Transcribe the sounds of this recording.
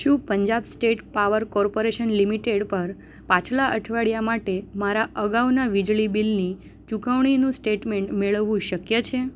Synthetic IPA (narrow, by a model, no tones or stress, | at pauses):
ʃũpəɲd͡ʒabsʈeʈpaʋəɾkɔɾpoɾeʃənlimiʈeɽpəɾ | pãt͡ʃʰlaʔəʈʰʋaɽjamaʈemaɾaʔəɡaʋnaʋid͡ʒɭibilni | t͡ʃukəʋɳ̃inũsʈeʈmeɳʈmeɭʋːũʃəkjət͡ʃʰe